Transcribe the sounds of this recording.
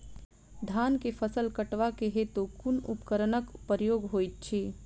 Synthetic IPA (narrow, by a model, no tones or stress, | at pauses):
d̪ʱaːnkepʰəsəlkəʈʋakeɦet̪okunupkəɾnəkpəɾjoːɡɦoːjt̪̚t͡ʃʰi